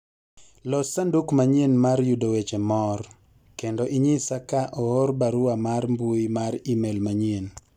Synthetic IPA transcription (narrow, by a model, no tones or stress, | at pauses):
lɔsandukmaɲenmarjudowet͡ʃemɔr | kendɔʔiɲisakaʔɔoɾbaɾʊamarmbuimaɾimelmaɲen